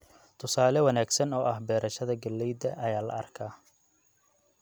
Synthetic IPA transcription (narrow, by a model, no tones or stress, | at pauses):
t̪ʰʊsaːlɛwɐnaːɡsɐnɔːʔɐhbɛːɾʔɐʃɐðɐɡɐlːɛjd̪ɐʔɐjaːlɐ̰ʔɐ̰rkʰaː